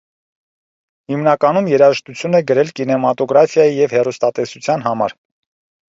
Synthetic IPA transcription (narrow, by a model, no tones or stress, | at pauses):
himnɑkɑnumjɛɾɑʒəʃt̪ut͡sʰjunɛɡəɾɛlkinɛmɑt̪ɔɡɾɑfjɑjijɛvhɛrust̪ɑt̪ɛsut͡sʰjɑnɦɑmɑ̰ɾ